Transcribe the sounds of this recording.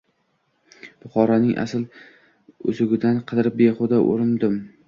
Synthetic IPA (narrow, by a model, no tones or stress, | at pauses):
b̥ʊχɒɾanɪŋʔa̰sɪl | ɵ̰zʊɡʲɪd̪anqʰɨd̪ɪɾɪp̚beχʊd̪aʔo̰ɾɪnd̪ɪm